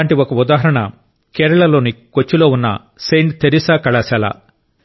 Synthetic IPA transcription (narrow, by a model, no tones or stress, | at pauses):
aːɳʈiɔkɐud̪aːɦɐɾɐɳɐ̰ | kɛːɾɐɭɐlo̞ːnikot͡ʃːulo̞ːunːɐ̰ | sejɳʈt̪eɾisaːkɐɭɐsɛla̰